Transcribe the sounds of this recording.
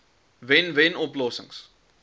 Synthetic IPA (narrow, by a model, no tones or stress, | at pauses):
vɛnvenɔplɔsəŋs